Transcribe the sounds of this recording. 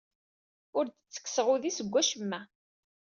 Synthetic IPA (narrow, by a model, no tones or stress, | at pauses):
ʊɾd̪ət͡sːə̥kːsəʁuðisəɡʷːæʃəmːæ